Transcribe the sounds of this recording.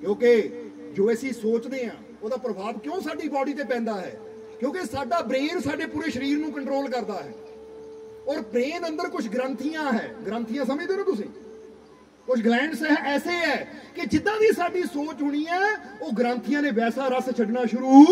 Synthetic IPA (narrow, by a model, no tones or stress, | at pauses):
kjõːkeː | d͡ʒoːəsĩːsoːt͡ʃd̪eːã̰ː | oːd̪aːpɾəbʱaːbkjõːsaːɖiːbɔːɖiːt̪eːpɛ̃ːnd̪aːɦɛ̰ː | kjõːkesaːɖaːbɾeːɾsaːɖeːpuːɾeːʃəɾiːɾnũːkəɳʈɾoːlkəɾd̪aːɦɛ̰ː | ɔːɾpɾeːnənd̪əɾkʊt͡ʃʰɡɾənt̪ʰiːjãːɦɛːɡɾə̃nt̪ʰijãːsəməd͡ʒd̪eːnõːt̪ʊs̬ĩː | kʊt͡ʃʰɡlɛ̃ːɳɖsɛɛːseːɛːkɪd͡ʒɪd̪ãːd̪iːsaːɖiːsoːt͡ʃɦʊɽ̃iːɛ̃ːoːɡəɾə̃nt̪ʰijãːnẽːbɛːsaːɾəst͡ʃʰəɖnaːʃʊɾuː